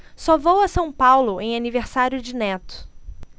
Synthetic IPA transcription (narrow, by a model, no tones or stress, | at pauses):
sɔvowɐsɐ̃w̃pawlʊʔẽj̃aniveɾsaɾjʊd͡ʒɪnɛt̪ʊ̥